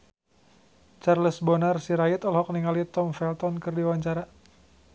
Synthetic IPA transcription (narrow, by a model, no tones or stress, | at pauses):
t͡ʃarləsbɔnarsiɾait̪ɔlɦɔkniŋalit̪ɔmfɛlt̪ɔnkɨrdiwaɲt͡ʃaɾa